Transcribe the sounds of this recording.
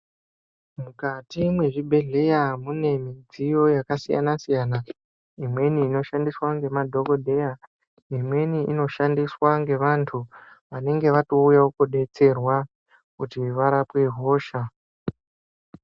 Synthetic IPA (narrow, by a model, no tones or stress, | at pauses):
mukatimwe̞ʐibʱe̞ɮe̞jamune̞mid͡zijo̞jakasija̰nasijana | imwe̞niːno̞ʃandiswaŋɡe̞madʱo̞ɡo̞dʱe̞ja | imwe̞niino̞ʃandiswaŋɡe̞ʋantʰu | ʋane̞ŋɡe̞ʋato̞ujaokoɗe̞t͡se̞rwa | kutiʋaɾapwe̞ɦoːʃa